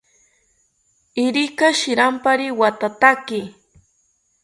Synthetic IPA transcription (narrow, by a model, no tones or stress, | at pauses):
ɪɾɪkaʃɪɾampaɾɪwat̪at̪akɪ